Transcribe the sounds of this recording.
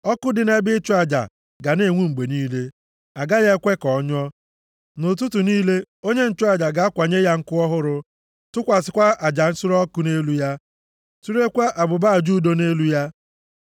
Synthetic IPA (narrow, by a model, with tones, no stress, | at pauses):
ɔ˦kʊ˦dɪ˨ne˦bɪ˦t͡ʃʊ˦a˨d͡ʒa̰˨ | ɡa˨ne˦˨ŋʷu˦ŋ͡m̩˨ɡ͡be˨niː˦le˦ | a˨ɡa˦je˦kʷe˦kɔ˨˦ɲ˦ɔ˦ | nʊ˨t̬u˦tu˨niː˦le˦ | o˦ɲe˦n̩˨t͡ʃʊ˦a˨d͡ʒa˨ɡa˨a˦kʷa˨ɲe˦ja˦ŋ̩˦kʊ˦ɔ˦ɦʊ˦ɾʊ˨ | tʊ˦kʷa˨sɪ˨kʷa˦a˨d͡ʒa˨n̩˦sʊ˦ɾɔ˦kʊ˦ne˦lu˦ja˦ | tu˦ɾe˦kʷa˦ʔa˨bʊ˨ba˦a˨d͡ʒu˦do˦ne˦lu˦ja˦